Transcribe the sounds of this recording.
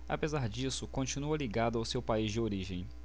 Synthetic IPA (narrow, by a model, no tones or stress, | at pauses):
a̰pezaɾd͡ʒisʊkõt͡ʃinuɐliɡad̪ʊawsewpaizd͡ʒɪoɾiʒẽj̃